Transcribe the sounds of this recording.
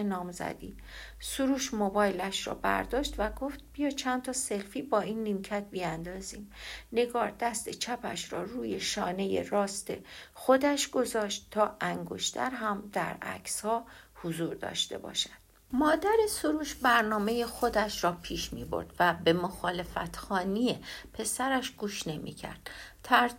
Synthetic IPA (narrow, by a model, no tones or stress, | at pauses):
nɒːmzæ̰d̪iː | suɾuːʃmobɒːjlæʃɾɒ̰ːbæ̰ɾd̪ɒːʃt̪væɡo̞ft̪̚bijɒːt͡ʃʰænt̪ʰɒːselfiːbɒːiːnːiːmcʰæt̪̚bijænd̪ɒːziːmne̞ɡɒːɾd̪æst̪e̞t͡ʃʰæpʰæ̰ʃɾɒːruːjeʃɒːne̞je̞̰rɒːst̪e̞̰xod̪æʃɡ̥o̞zɒːʃt̪t̪ʰːɒːʔæŋɡo̞̰ʃt̪ʰæ̰ɾɦæmd̪̥æ̰ɾæ̰kshɒːhozuːɾd̪ɒ̰ːʃt̪e̞̰bɒ̰ːʃæd̪̥ | mɒːd̪æɾesoɾuːʃbæɾnɒːme̞jexo̞d̪æʃɾɒːpʰiːʃmiːbo̰ɾd̪̥væbe̞moxɒːle̞fæ̰t̪ʰxɒːnijepʰe̞sæɾæʃɡ̥uːʃne̞mʔḭːcʰæ̰ɾd̪̥t̪ʰæɾ